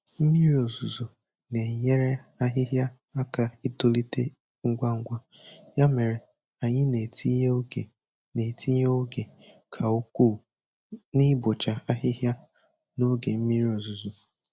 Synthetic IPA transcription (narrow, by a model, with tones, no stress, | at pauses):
m̩˦mi˦ɾi˦o˨zu˨zo˨ | ne˨ɲe˦ɾe˦a˦ɦɪ˦ɦja˦ | a˦ka˨i˦to˦li˦te˦ | ŋ̩˦ɡʷa˦ŋ̩˦ɡʷa˦ | ja˦me˨ɾe˨ | a˨ɲɪ˦ne˨ti˦e˨ | ne˨tʰi˦ɲ˦o˦ɡe˨ | kʰa˨u˦ku˦˨ | nɪ˦bʊ˨t͡ʃa˨a˦ɦɪ˦ɦja˦ | no˦ɡe˨m̩˦mi˦ɾi˦o˨zu˨zu˨